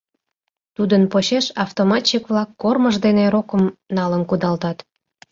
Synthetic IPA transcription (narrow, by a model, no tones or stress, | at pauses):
t̪ud̪ənpoɕeʃɑft̪omɑt̪t͡ɕikβlɑkːorməʒd̪eneɾokəmnɑlənkud̪ɑlt̪ɑt̪